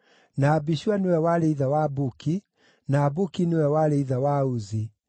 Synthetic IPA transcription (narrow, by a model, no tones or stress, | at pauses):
naːbiʃuanewɛwaleiðawabuki | naːbukinewɛwaleiðawauzi